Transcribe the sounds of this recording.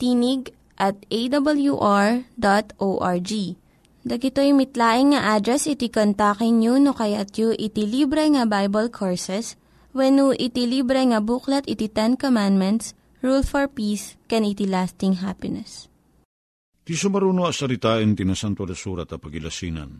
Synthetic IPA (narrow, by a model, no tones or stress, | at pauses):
t̪iniɡ | ʔɐt̪̚ejd̪ɐbɐljuʔaɹd̪at̪ʔowʔaɹd͡ʒi | d̪ɐɡɪt̪ojmɪt̪laːʔɪŋːɐʔad̪ɾɛsɪt̪ikont̪akɪŋɲunokɐjat̪̚juʔɪt̪ilibɾɛŋɐbajbɐlkʰoɹsɛs | wɛnuʔɪt̪ilibɾɛŋɐbuklɐt̪ɪt̪it̪ɛnkomand̪mɛnt̪s | ɹulfɔɹpiskɛnit̪ilast̪ɪŋɦapɪnɛs | t̪isʊmɐɾuːnoɐsɐɾit̪aːʔɪnt̪inasant̪olɐsuːɾɐt̪ɐpɐɡilɐsiːnɐ̰n